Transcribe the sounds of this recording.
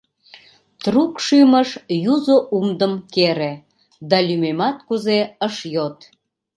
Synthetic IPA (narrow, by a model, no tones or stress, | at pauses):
t̪rukʃyməʃjuzoʔumd̪əmkeɾe | d̪ɑlʲymemɑt̪̚kuzeəʃjot̪